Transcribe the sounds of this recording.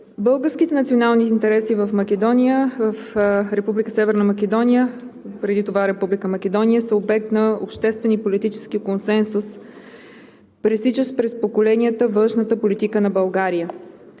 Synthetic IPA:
bɤlˠɡəɾskit̪ɛnɐt̪sionalˠniːnt̪ɛɾɛsivəfmɐk̟ɛd̪ɔnʲijəvəfɾɛpublikəsɛvɛɾnəmɐkɛd̪ɔnijəpɾɛd̪it̪ovaɾɛpublikəmɐkɛd̪ɔnʲijəsəobɛk̚t̪nɐo̰pʃt̪ɛst̪vɛnipolit̪it͡ʃɛ̥sk̟ikonsɛnsus | pɾɛsit͡ʃəspɾɛspokolɛniət̪əvɤ̃nʃnət̪əpolit̪ikənɐbəlˠɡaɾijə

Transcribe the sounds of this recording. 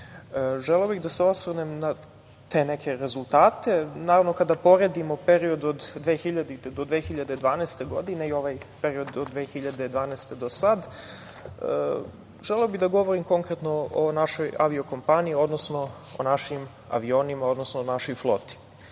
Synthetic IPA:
ʒeleobiɣd̪aseo̞sʋrnemna | t̪e̞nekʰe̞ɾezulˠt̪aːt̪e̞naːɾaʋno̞kad̪apo̞ɾe̞d̪imo̞pe̞ɾio̞d̪od̪ːʋeːxiʎad̪it̪ed̪od̪ʋexiʎad̪ed̪ʋaːnɛst̪e̞ɡo̞d̪ineio̞ʋajpe̞ɾio̞d̪od̪ʋeːxiʎad̪ed̪ʋaːnɛst̪e̞d̪o̞sad̪̰ | ʒeleobiɣd̪aɡo̞ʋo̞ɾimko̞ŋkɾet̪no̞onaʃo̞ja̰ʋio̞ko̞mpaniːo̞d̪nosno̞ | o̰naʃim | a̰ʋio̞ːnimao̞d̪nosnonaʃojflˠo̞̰t̪i̥

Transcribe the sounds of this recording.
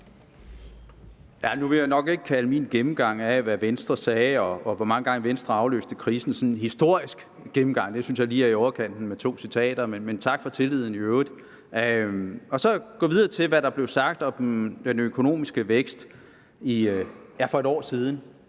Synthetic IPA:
jænuʋe̝jɑɪnɒ̽ɡ̥e̝ɡ̥ə̥kʰæləminɡ̥emm̩ɡ̥ɑ̈ŋ̰æʋæʋensd̥ʁɐsɛːɒ̽ɒ̽ʋɒmɑ̈ŋəɡ̥ɑ̈ŋəʋensd̥ʁɐɑ̈ʊlø̰ːsd̥əkʰʁiːsn̩sɒ̽nɦisd̥o̝ɐ̰isɡ̥ | ɡ̥emm̩ɡ̥ɑ̈ŋ̰d̥e̝synsjɑ̈ɪliːæɐiɒʊɐkʰen̰d̥n̩met͡sʰo̝̰ːsit͡sʰɛ̰ːd̥ɐmenment͡sʰɑ̈ɡ̥fɒ̽t͡sʰe̝lið̞̰ˠn̩iøːʊʁð̩ˠ | ɒ̽sɒ̽ɡ̥ɔ̰ːʋið̞ˠɐːt͡sʰe̝lʋæɾɑ̈b̥le̝ʊsɑ̈ɡ̥̚d̥ɒ̥̽d̥enøkʰo̝no̝̰ːmisɡ̥əʋeɡ̥sd̥ | iæfɒ̽e̝ɾɒ̰ːsiːð̞ˠn̩

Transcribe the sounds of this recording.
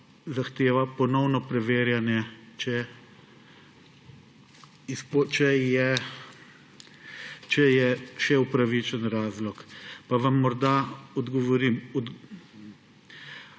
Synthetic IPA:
zaxt̪eːʋapɔnɔwnɔpɾɛʋeːɾjanjɛt͡ʃɛ | ispɔt͡ʃɛjɛ | t͡ʃɛjɛʃɛupɾaʋit͡ʃənɾaːzlɔkpaʋamːɔɾd̪aɔd̪ɡɔʋɔɾimɔd̪

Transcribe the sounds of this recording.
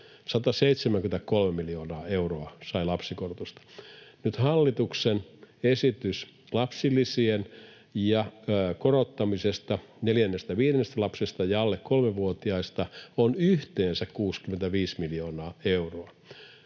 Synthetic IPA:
sɑt̪ɑseit̪semæŋkymnet̪ækolmemiljoːnɑːeuroɑsɑilɑpsikorot̪ust̪ɑ̥nyt̪hɑlːit̪uksenesit̪ys | lɑpsilːˑisien | jɑkorot̪ːɑmisest̪ɑneljænːest̪æʋiːdenːest̪ælɑpsest̪ɑjɑɑlːekkolmeʋuot̪iɑist̪ɑonyht̪eːnsækkuːskyment̪æʋiːsmiljoːnɑːeuroɑ

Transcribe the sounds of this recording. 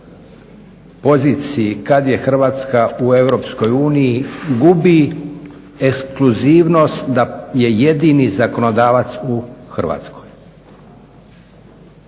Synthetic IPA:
po̞ziːt̪sijikad̪je̞xr̩ʋaːt̪skaue̞ʋɾo̞psko̞juːnijiɡubi | ekskluziːʋno̞st̪d̪aje̞je̞d̪inizako̞nod̪aːʋat̪suxr̩ʋa̰ːt̪skoj

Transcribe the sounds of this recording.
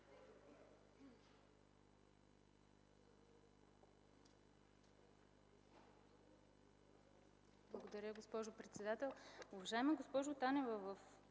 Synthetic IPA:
blˠɐɡod̪ɐɾʲəɡospɔʒʊpɾɛt̪sɛd̪at̪ɛlˠuvɐʒaɛmɛɡospɔʒʊt̪anɛvəvəf

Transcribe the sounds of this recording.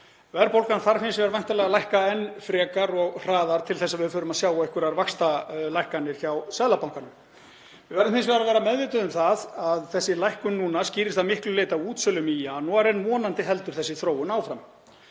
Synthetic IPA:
vɛɾpowlkanθaɾ̥fɪnsvɛɾvajnt̪alɛːɣalajhkaɛnfɾɛːkaɾɔɣr̥aːðaɾ̥t̪ʰɪlθɛsːavɪðfʏːɾʏmaðsjaːwaejhkʏɾaɾvakst̪alajhkanːɪɾ̥çawsɛðlapawŋ̥kanʏm | vɪvɛɾðɪmfɪnsvɛːɾavɛːɾamɛðvɪːt̪ʏðʏmθaðaðθɛsːɪlajhkʏnːuːnasciːɾɪsθaðmɪhklʏleːjt̪auːt̪sœːlʏmijanɔaɾenmɔːnant̪ɪɦɛlt̪ʏɾ̥θɛsːɪθɾoːwʏnaːwfɾam

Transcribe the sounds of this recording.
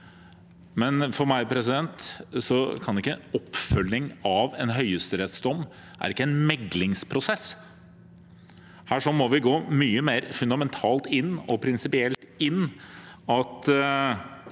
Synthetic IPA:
mɛnfɔɾmæɪpʰɾɛsɪd̪ɛnt̪sɔkʰɑnɪkːəɔpːfœlːɪŋɑʋɛnɦœʏəst̪əɾɛt̪sd̪ɔmː | ʔæ̰ɾɪkːəɛnmɛɡlɪŋspʰɾʊsɛs | hæːʂɔmɔʋɪɡoːmyːəmeːɾfʉnd̪ɑmɛnt̪ʰɑːlt̪ɪnːɔpʰɾɪnsɪpɪɛlt̪ɪnː | ɑt̪

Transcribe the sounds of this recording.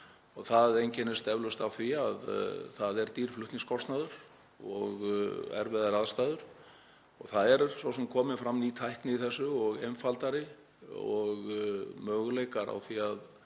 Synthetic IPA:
ɔɣθaðejɲcɛnɛ̥st̪ɛvlʏst̪awθviaðθaðɛɾt̪iːɾ̥flʏht̪niŋskʰɔst̪naðʏɾ̥ | ɔ̰ɣɛ̰ɾvɛðaɾaðst̪aːjðʏɾ̥ | ɔɣθaðɛɾsvɔsɛmkʰɔːmɪnfɾamːit̪ʰajhknɪiθɛsːʏɔɣejmfalt̪aɾɪ | ɔɣmœːɣʏleːjkaɾa̰wθiað

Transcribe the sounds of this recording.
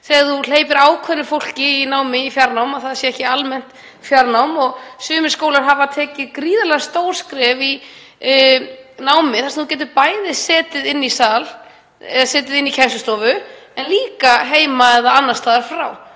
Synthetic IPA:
θɛːɣaɾθul̥eːjpɪɾaːwkʰœnːʏfowl̥cɪːnaːwmɪifjaɾnawmaðθaðasjɛɛhcɪalmɛn̥t̪ | fjaɾnawmɔɣsʏːmɪskoːwlaɾ̥ɦavat̪ʰɛːcɪðkɾiːðalɛɣst̪owɾ̥skɾɛvi | naːwmɪθaɾsnθucɛt̪ʏpaːjðɪsɛːt̪ɪðɪnːisaːl | ɛðsɛːt̪ɪðɪnːicʰɛsʏst̪ɔːvʏɛnliːkaɦeːjmaɛðaanːast̪aːðaɾ̥fɾaːw

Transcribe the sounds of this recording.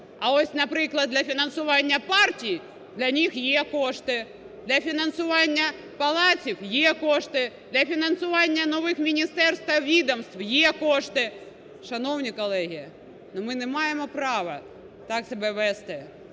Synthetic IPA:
ɐoɔsʲnɐpɾɪklˠɐd̪lʲɐfʲinɐnsʊʋɑnʲːɐpɑrtʲij | d̪lʲɐnʲixjekoʂt̪ɪ | d̪lʲɐfʲinɐnsʊʋɑnʲːɐ | pɐlˠɑtʲiwjekoʂt̪ɪd̪lʲɐfʲinɐnsʊʋɑnʲːɐnɔʋɪxmʲinʲist̪ɛrst̪ʋɐʋʲid̪ɐmst̪wjekoʂt̪ɪ | ʃɐnownʲikɔlˠɛɦʲijɐ | nɔmɪnɛmɑjemɔpɾɑʋɐ | t̪ɑksɐbɛʋɛst̪ɪ

